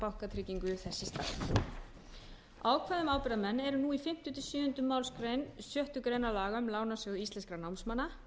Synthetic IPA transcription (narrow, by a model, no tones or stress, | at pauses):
pawhkat̪ʰɾɪːciŋkʏθɛsːɪst̪a̰θ | aːwkʰvaðʏmaːwpɪɾðamɛnːɛɾʏnuifɪm̥t̪ʏt̪ʰɪlsjʏːʏnt̪ʏmaːwlskɾejnsjœht̪ʏkɾeːjnalaːɣʏmlaːwnasʏɣʏist̪lɛnskɾanawmsmanːa